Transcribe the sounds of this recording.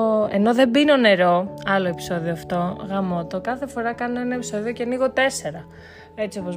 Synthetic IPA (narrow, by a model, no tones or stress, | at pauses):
e̞no̞ðe̞bino̞ne̞ɾo̞ɐlo̞e̞pi̥so̞ðioɐft̪o̞ɣɐmo̞t̪o̞kɐθe̞fo̞ɾɐkɐnoenɐepiso̞ðio̞ceniɣo̞t̪e̞se̞ɾɐ | e̞t͡sio̞po̞z